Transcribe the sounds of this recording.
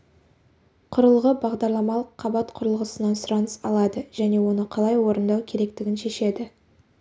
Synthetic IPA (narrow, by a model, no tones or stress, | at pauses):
qʰʊɾəlˠʁəbɑʁd̪ɑɾlˠɑmɑlˠəqʰːɑbɑt̪qʰʊɾəlˠʁəsənɑnsʊɾɑnəsɑlˠɑd̪əʒ̥æne̞wo̞nəqʰɑlˠɑjwo̞ɾənd̪ɑwkʲʰe̞ɾe̞k̚t̪ɪɡʲɪnʃe̞ʃe̞d̪ɪ